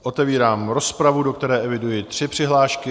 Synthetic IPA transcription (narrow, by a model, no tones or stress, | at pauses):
ʔo̞t̪ɛviːɾaːmɾo̞spɾavudo̞kt̪ɛɾɛːʔɛvɪdujɪt̪r̥ɪpr̥ɪɦlaːʃkɪ